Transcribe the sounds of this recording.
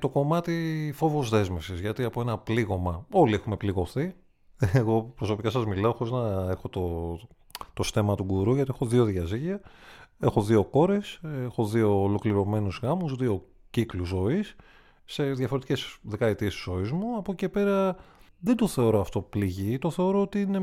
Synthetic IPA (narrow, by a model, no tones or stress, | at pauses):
t̪o̞ko̞mɐt̪ifo̞vo̞zðe̞zme̞fsizʝɐt̪iɐpo̞e̞nɐpliɣo̞mɐo̞lie̞xume̞pliɣo̞θi | eɣo̞pɾo̞so̞pikɐsɐzmilɐoxooznɐe̞xo̞t̪o | t̪o̞st̪e̞mɐt̪uɡuɾuʝɐt̪ie̞xo̞ðio̞ðʝɐziʝiɐexo̞ðio̞ko̞ɾe̞sexo̞ðio̞ːlo̞kliɾo̞me̞nuzɣɐmuzðio̞ | cikluzo̞isː | e̞ðʝɐfo̞ɾet̪icesðe̞kɐet̪iesizo̞izmuɐpoce̞pe̞ɾɐ | ðend̪o̞θe̞o̞ɾoɐft̪o̞pliʝit̪o̞θe̞o̞ɾo̞ot̪iine̞